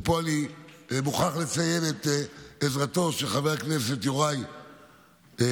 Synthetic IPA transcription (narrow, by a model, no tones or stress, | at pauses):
polimuχaχlet͡sajevet̪ezʁato̞ʃeχaveʁknese̞tjoʁaj